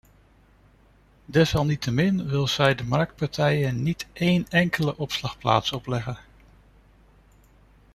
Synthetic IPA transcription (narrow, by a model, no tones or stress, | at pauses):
dɛsɑlˠnitəmɪnʋɪlˠsɛjdəmɑɹk̚t̚pɑɹtɛjənnitʔejnɛŋkələʔɔpslɑχpla̰ːtsɔplɛχən